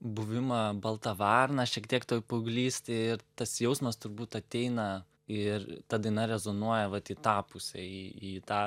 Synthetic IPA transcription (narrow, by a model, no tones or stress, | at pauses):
bʊʋʲɪmɐbɐlˠt̪ɐʋɑrnɐʃʲiɛkt̪ʲiɛkt̪oːjpʊɡlʲiːsʲt̪ʲɪɪɾt̪ɐsjɛʊsmɐst̪ʊɾbuːt̪ɐt̪ʲɛɪnɐ | ɪrt̪ɐd̪ɐɪnɐɾʲɛzonuɔjɛʋɐt̪it̪ɑːpʊsʲɛiit̪ɑː